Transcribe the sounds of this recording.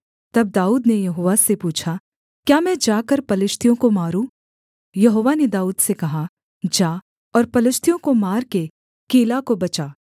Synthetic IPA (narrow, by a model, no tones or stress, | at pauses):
t̪ɐb̚d̪aːuːd̪nejɐɦoːʋasepuːt͡ʃʰa | kjaːmɛ̃d͡ʒaːkɐɾpɐlɪʃt̪ʰijõkomaːɾũ | jɐɦoːʋaned̪aːuːd̪sekɐɦa | d͡ʒaː | ɔːɾpɐlɪʃt̪ʰjõkomaːɾke | keːlakobɐt͡ʃaː